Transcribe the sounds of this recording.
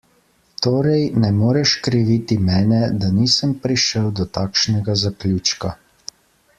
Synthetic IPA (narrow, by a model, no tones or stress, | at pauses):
t̪oːɾɛjnɛmoːɾɛʃkɾiʋit̪imɛːnɛd̪aniːsəmpɾiʃəwd̪ɔt̪aːkʃnɛɡazaklʲjut͡ʃka